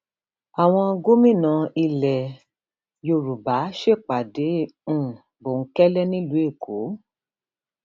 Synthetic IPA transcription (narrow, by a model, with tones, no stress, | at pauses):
a˨w̃ɔ̃˧ɡo˦mĩ˦˨nã˧i˧lɛ˨ | jo˧˨ɾu˨ba˨˦ʃe˦˨k͡pa˨dẽ˨˦˨ | bo˨˦kɛ˦lɛ˦nĩ˦lu˨˦e˦˨kʰo˨˦